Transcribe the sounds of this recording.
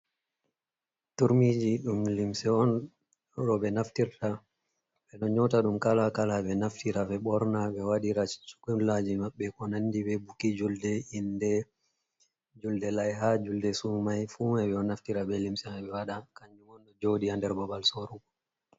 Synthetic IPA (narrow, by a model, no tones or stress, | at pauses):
tuɾmid͡ʒiɗumlimsɛɔn | ɗɔɓɛnaftiɾta | ɓɛnɔɲɔtaɗumkalakalaɓɛnaftiɾavɛɓɔɾnaɓɛwaɗiɾat͡ʃu̥kunlad͡ʒimaɓːɛkɔnandiɓɛbukid͡ʒuldɛindɛ | d͡ʒuldɛlajɦad͡ʒuldɛsumajfumaɓɛɔnaftiɾaɓɛlimsɛmɛɓɛwaɗakaɲd͡ʒuŋɔnɗɔd͡ʒodiandɛɾbɔbalsoɾuɡɔ